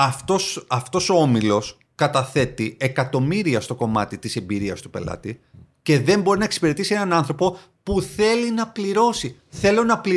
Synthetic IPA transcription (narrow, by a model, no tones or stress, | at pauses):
ɐft̪osɐft̪o̞soo̞milo̞s | kɐt̪ɐθe̞t̪ie̞kɐt̪o̞miɾiɐst̪o̞ko̞mɐt̪it̪ise̞mbiɾiɐst̪u̥pe̞̰lɐ̰t̪ice̞ðe̞mbo̞ɾinɐeksi̥peɾe̞t̪isie̞nɐnɐnθɾo̞po̞ | puθe̞linɐpliɾo̞si | θe̞lo̞nɐpli